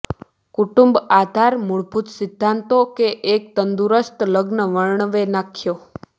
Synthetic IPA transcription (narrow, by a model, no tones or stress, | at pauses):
kuʈumbad̪ʱaɾmuɭbʱut̪sɪd̪ʱːãnt̪okeʔːk̚t̪ənd̪uɾəst̪ləɡnəʋəɭɳəʋenakʰjo